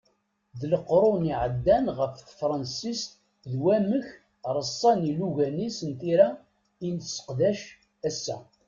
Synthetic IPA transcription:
ðləqɾˤʊniʕəd̪ːænʁəfθfɾˤɑnsist̪ | ðwæməç | ɾˤəsˤːɑniluʝænisənt̪iɾæ | insə̥qðæʃ | æsːæ̰

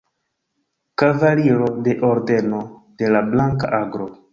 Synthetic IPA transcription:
kavaliɾo̞de̞ʔo̞ɾde̞no̞d̥e̞lablaŋka̰ʔaɡɾo̞

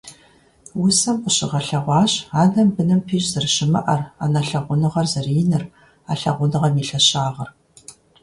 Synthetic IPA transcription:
wʊsɐmqʷəɕɪʁɐɬɐʁʷɑːɕaːnɐmbɨnɨmpʰiːɕʼzɨrɕɪmɐ̰ʔɐra̰nɐɬɐʁʷʊnɨʁɐrzɨriːnɨr | aːɬɐ̰ʁʷʊnɨʁɐmiːɬɐɕaːʁɐr

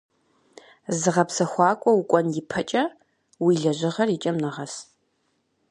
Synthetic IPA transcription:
zɨʁɐpsɐxʷɑːkʷʼɔwukʷʼɔnjɪpʰɐt͡ʃʼɐ | wiɮɐʒɪʁɐrit͡ʃʼɐmnɨʁɐs

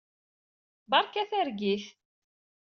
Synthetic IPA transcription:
bɑɾˤkæθæɾɡiθ

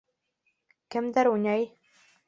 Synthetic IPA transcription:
kɘ̆md̪æɾunʲɑj

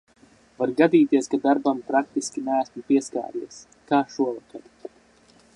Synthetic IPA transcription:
vaɾɡad̪iːt̪iɛskad̪aɾbampɾak̚t̪iskʲinæːsmupiɛska̰ːɾiɛs | kaːʃuɔvakaɾ

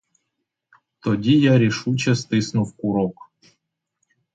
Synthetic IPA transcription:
t̪odʲijaɾʲiʂut͡ɕɛst̪ɨsnuwkuɾok

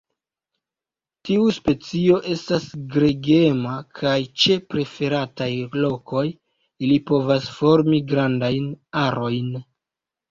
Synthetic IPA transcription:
tiuspe̞t͡sio̞ʔe̞stasɡɾe̞ɡe̞makʰajt͡ʃe̞pɾe̞fe̞ɾatajlo̞ko̞j | ilipo̞vasfo̞ɾmiɡɾandajnaɾo̞jn

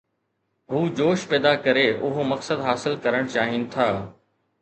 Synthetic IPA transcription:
ɦuːd͡ʑoːʃpɛːd̪akɐɾeʔʊɦomɐksəd̪ɦaːsɪlkɐɾəɽ̃t͡ɕaːɦinɪ̆t̪ʰaː

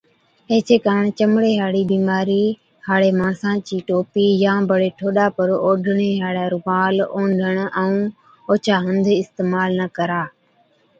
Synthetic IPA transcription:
eːt͡ʃeːkaːɾəɳ̃t͡ʃəmɽeːɦaːɽiːbiːmaːɾiː | haːɽeːmãːsãːt͡ʃiːʈoːpiːjãːbəɽeːʈʰoːɗaːpəɾoːɖʱəɳeːɦaːɽaːɾʊʋaːloːɳɖʱəɳɛũː | oːt͡ʃaːɦə̃nd̪ʱɪst̪eːmaːlnəkəɾaː

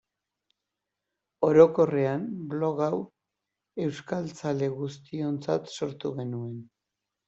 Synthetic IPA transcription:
o̞ɾo̞ko̞re̞anblo̞ɣaw | e̞wskalt͡sale̞ɣust̪io̞nt͡sat̪so̞ɾt̪uɣe̞nue̞n

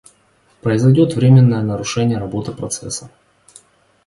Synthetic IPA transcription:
pɾəɪzɐɪjdʲo̞t̪vɾʲemʲɪnːəjənəɾʊʂɛnʲɪjəɾɐbo̞t̪ɨpɾɐt̪sɛ̰sːə

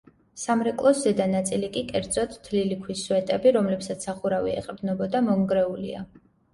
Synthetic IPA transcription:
samɾɛkʼlˠɔszɛd̪anat̪sʼilikʼikʼɛɾd̪z̥ɔt̪t̪ʰːlilikʰwiswɛt̪ʼɛbiɾɔmlɛpsat̪sʰaχuɾavḭɛ̰qʼɾd̪nɔbɔd̪amɔŋɡɾɛulḭa̰

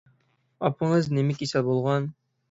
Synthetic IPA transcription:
ɑpəɴəznɪmɪkʲisɛbolˠʁɑn

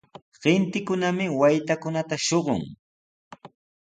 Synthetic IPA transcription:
ɢɪnt̪ɪkʊnamɪwajt̪akʊnat̪aʃoɢʊ̰ŋ

